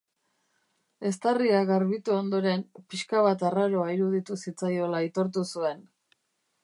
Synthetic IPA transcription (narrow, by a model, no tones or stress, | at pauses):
e̞st̪ariaɣaɾβit̪uond̪o̞ɾe̞mpiʃkaβ̞at̪araɾoaiɾuð̞it̪usit͡sajo̞lait̪o̞ɾt̪̬usue̞n